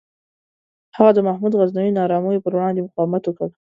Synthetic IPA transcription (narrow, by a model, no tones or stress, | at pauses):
haɣad̪əmahmud̪ɣaznawinɑɾɑmunepəɾwɽɑnd̪emʊqɑwɪmat̪wokaɽ